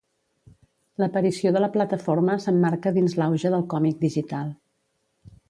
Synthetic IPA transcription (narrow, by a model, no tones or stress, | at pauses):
ləpəɾisioðələplət̪əfoɾməsəmːaɾkəðinzlawʒəðəlˠkɔmik̚d̪iʒit̪alˠ